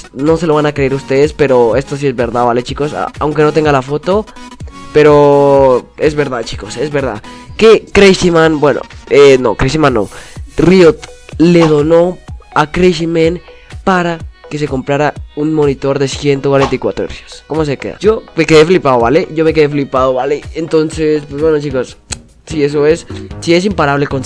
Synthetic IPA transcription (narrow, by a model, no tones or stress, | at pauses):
no̞se̞loβanakeɾeɾust̪e̞ðespe̞ɾo̞e̞st̪os̬ie̞zβe̞ɾðaβale̞t͡ʃiko̞sa̰awŋke̞not̪e̞ŋɡalafo̞t̪o̞pe̞ɾo | e̞zβe̞ɾðaðt͡ʃiko̞se̞zβe̞ɾða̰kekɾesimãnbwe̞no̰eno̰kɾeʃimãnːo̰riot̪le̞ðo̞no̞akɾeʃimẽn | paɾake̞s̬e̞ko̞mpɾaɾaunmo̞nit̪o̞ɾðe̞sje̞nt̪okwaɾenaikwa̰t̪ɾoḛɾsjosko̞mo̞s̬e̞kḛða̰ʝo̞me̞ke̞ðeflipaðoβale̞ʝo̞me̞ke̞ðef̬lipaðoβaleent̪o̞nse̞spwezβwe̞not͡ʃiko̞s | sie̞s̬o̞e̞ssie̞s̬impaɾaβle̞kon